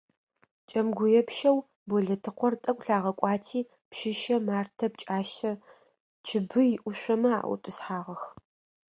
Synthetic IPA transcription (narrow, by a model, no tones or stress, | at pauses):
t͡ʃʼɐmɡʷʊjɛpʃɐw | bɔɮɐtʰɨqʷɔrtʼɐkʷʼɬaːʁɐkʷʼɑːtʰiː | pʃɪʃɐmaːrtʰɐp̚t͡ʃʼaːʃɐ | t͡ʃʰɪbɨjɪʔʷʊɕʷɔmɐa̰ːʔʷw̰tʼɨsħaːʁɐx